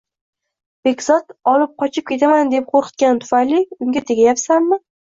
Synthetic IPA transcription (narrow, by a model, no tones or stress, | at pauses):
b̥e̞kʲzɒt̪ɒlɪp̚qʰɒt͡ʃʰɪp̚kʲʰe̞t̪ʰamand̪ep̚qʰoɾqʰɨ̥t̪̚kʲanɪt̪ʰʊ̥fajliʊŋɡʲat̪ʰe̞ɡʲajapsanmɪ